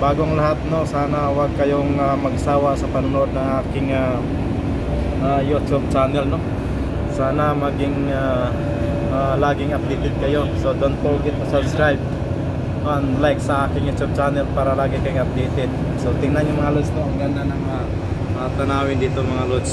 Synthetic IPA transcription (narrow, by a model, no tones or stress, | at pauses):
baːɡoŋlɐɦat̪̚no̞saːnawaɡ̚kɐjoŋamɐɡsaːwasɐpɐnʊnʔod̪̚nɐŋʔaːkɪŋa | ʔajut̪ub̚t͡ʃanɛlno | saːnɐmɐɡɪŋ | a | ʔalaːɡɪŋɐp̚d̪ɛjt̪ɪd̪̚kɐjosod̪onp̪oɡɪt̪̚ːɐsɐbskɾajb̚ | noʔanlajksɐʔaːkɪŋjut̪jub̚t͡ʃanɛlpaːɾɐlaːɡɪkɐjoŋɐp̚d̪ejt̪ɪd̪̚ | sot̪ɪŋnanjʊŋmɐŋalʊsnoʔɐŋɡɐnd̪anɐŋa | ʔat̪ɐnaːwɪnd̪iːt̪oŋmɐŋalʊs